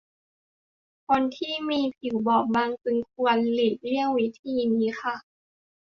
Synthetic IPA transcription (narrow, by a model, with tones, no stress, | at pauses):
kʰo˧nt̪ʰiː˥˩miː˧pʰi˨˩˦wbɔː˨˩k̚maː˧ŋtɯ˧ŋkʰu˧ənliː˨˩t̪̚li˥˩əŋwi˦˥t̪ʰiː˧niː˨˧˦xʰa˧˩